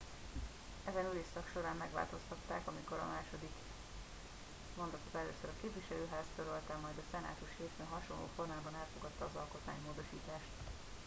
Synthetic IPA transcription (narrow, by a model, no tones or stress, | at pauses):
ɛzɛnyleːʃsɒkʃo̞ɾaːmːɛɡʋa̰lt̪o̞st̪ɒt̪ːa̰ːkɒmiko̞ɾɒ̰maːʃo̞d̪ik | mo̞nd̪ot̪ozɛløːsøɾɒkeːpviʃɛløːɦaːzt̪øɾølt̪ɛmːɒjd̪ɒsɛna̰ːt̪uʃheːfeːnɦɒʃonlo̰ːfornaːlbɒnɛlfoɡɒt̪ːɒːzɒlko̞t̪maːɲimoːd̪o̞ʃiːt̪aːʃt̪